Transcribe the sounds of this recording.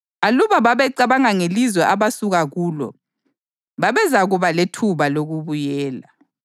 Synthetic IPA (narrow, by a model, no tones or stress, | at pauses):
aluβaβaβɛǀaβaŋaŋelizwɛʔaβasuɣaɣuːlɔ̰ | βaβɛzaɣuβaletʰuβaloɣuβujɛːla